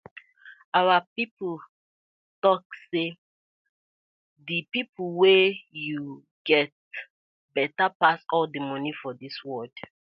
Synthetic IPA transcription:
awapipl | tɔkse | dəpipʰəlwɛju | ɡ̥ɛt̚ | bɛtapasɔldəmɔnifɔdiswɔd

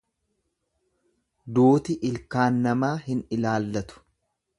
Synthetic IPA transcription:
d̪uːt̪ɪʔɪlkaːnːɐmaːhɪnɪlaːlːɐt̪ʊ̥

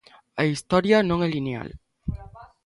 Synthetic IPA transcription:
aist̪ɔɾjanõŋelinea̰l

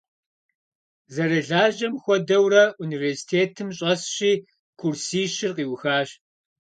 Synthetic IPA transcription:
zɐɾɐɮaːʒɐmxʷɔdɐwrɐuniversi̥tʰeːtʰɨmɕʼɐsɕiː | kʰursiːɕɪrqiːwxaːɕ

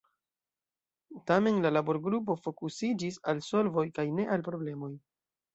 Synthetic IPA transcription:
tame̞nlalabo̞ɾɡɾup̬o̞fo̞kusid͡ʒisalso̞lvo̞jkajne̞ʔalpɾo̞ble̞mo̞j

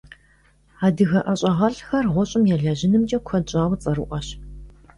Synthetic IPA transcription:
aːdɨɣɐʔɐɕʼɐʁɐɬxɐrʁʷɔɕʼɪmjaːɮaʑɪnɨmt͡ʃʼɐkʷʰɔɕʼaːwt͡sʼɐɾɨʔʷɐɕ

